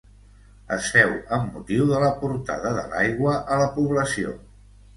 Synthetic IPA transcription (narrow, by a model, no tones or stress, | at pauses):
ə̰sɛwəmːut̪iwðələpuɾt̪a̰ðəðə̰la̰jɣwəʔələpuβləsio̰